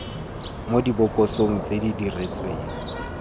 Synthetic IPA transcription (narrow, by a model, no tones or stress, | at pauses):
modibʊkʼɔsoŋ̩t͡sʼedidiret͡sʼwe